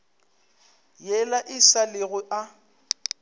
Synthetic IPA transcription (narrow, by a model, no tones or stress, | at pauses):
jɛlaʔɪsalɪɣʊʔa